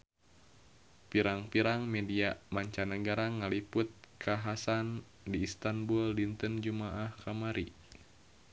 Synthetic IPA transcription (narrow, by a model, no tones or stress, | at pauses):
piɾaŋpiɾaŋmɛdiamaɲt͡ʃanəɡaɾaŋaliput̪̚kʰaɦasan | diːst̪anbuldint̪ənd͡ʒumaʔahkamaɾi